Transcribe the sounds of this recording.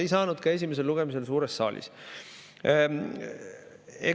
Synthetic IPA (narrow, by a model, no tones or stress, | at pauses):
ejsɑːnud̪̥kɑe̞s̬ʲime̞s̬eluɡe̞mis̬e̞lsuːɾe̞sːɑ̰ːlʲʔḭs | ḛ